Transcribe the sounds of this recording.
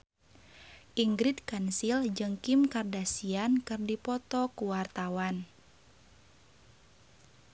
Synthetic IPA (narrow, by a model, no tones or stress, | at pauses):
ʔiŋɡɾit̪kansild͡ʒɨŋkimkardasiankɨrdipɔt̪ɔkuwart̪awan